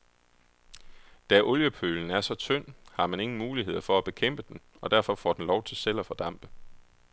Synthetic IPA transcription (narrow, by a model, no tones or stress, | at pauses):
d̥æʔɔ̽ljəpʰøln̩æɐsɒ̽t͡sʰœn̰hɑ̈mæne̝ŋn̩muːliɦe̝ð̰ˠɐfɒ̽æb̥e̝kʰem̰b̥əd̥en | ɒ̽d̥æɐ̰fɒ̽fɒ̰d̥n̩lɒʊt͡sʰe̝lsel̰ɒfɒ̽d̥ɑ̈m̰b̥ə